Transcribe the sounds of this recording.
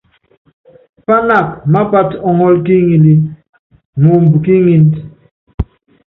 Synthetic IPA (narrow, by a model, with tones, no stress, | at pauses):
pa˦na˦˨k̚ma˦pa˦tɔ˨ŋɔ˦lki˦ŋi˨li˦ | ŋo˨mbki˦ŋi˦nt